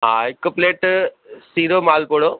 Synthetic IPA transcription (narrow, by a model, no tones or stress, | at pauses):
ɦãɪkːəpleːʈsiːɾomaːlpoɽoː